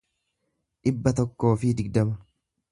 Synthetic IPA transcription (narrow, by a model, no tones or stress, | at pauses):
ᶑɪbːɐt̪ɔkːo̞ːfɪd̪ɪɡd̪ɐmɐ